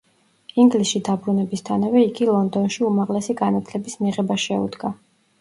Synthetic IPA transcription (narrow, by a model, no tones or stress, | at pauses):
iŋɡlisʃid̪abɾunɛbist̪ʰanavɛiɡilˠɔnd̪ɔnʃiumaʁlɛsiɡanat̪ʰlɛbismiʁɛbaʃɛṵd̪ɡa